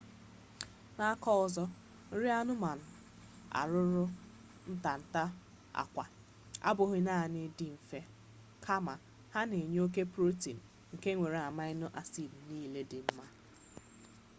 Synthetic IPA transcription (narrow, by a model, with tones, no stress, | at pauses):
na˦a˦kɔ˦ɔ˨zɔ˦ | n̩˦ɾi˦a˦nʊ˦ma˨n̩˨ | a̰˨ɾʊ˦ɾʊ˦ | n̩˦ta˨n̩˨ta˦ | a̰˨kʷa̰˨ | a̰˦bʊ˨ɦɪ˦naː˦˨nɪ˦di˦m̩˨fe˦ | kʰa˦ma˨ | ha˦ne˨ɲ˦o˦k̬e˦pɾo˦ti˨n̩˨ | ŋ̩˨ke˦ŋʷe˨ɾe˨a˨ma˦ɪ˦nʊ˦ʔa˦si˨b̩˨niː˦le˦dɪ˨m̩˦ma˦